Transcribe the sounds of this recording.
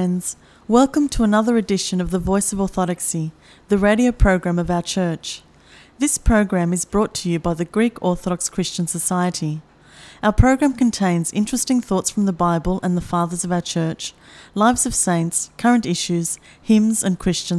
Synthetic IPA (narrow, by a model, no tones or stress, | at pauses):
nz̥ | wɛlˠkə̃mtʰəːnʌðə˞ɨdɪʃɨ̃nʌvðəvɔɪsʌvəθɑɾɨksi | ðɨɹeɪɾioʊpʰɹ̥oʊɡɹæ̃mʌvaʊə˞t͡ʃʰɜ˞t͡ʃ | ðɪspʰɹ̥oʊɡɹæ̃mɨzbɹɔtʰɨjɨbaɪðɨɡɹikʰɔɹθəɾɑkskʰɹ̥ɪst͡ʃɨ̃nsəsaɪɨɾi | aʊə˞pʰɹ̥oʊɡɹæ̃mkɨ̃n̩tʰẽɪ̃nzɪ̰̃nt͡ʃɹ̥ɨstɪ̃ŋθɔtsfɹʌ̃mðəbaɪbəlˠʔə̃nðəfɑðə˞zʌvaʊə˞t͡ʃʰɜ˞t͡ʃ | laɪvzʌv̥sẽɪ̃ntskʰʌ˞ɨ̃ntɪʃʉz̥ | hɪ̃mzɨ̃nkʰɹ̥ɪst͡ʃɨ̃n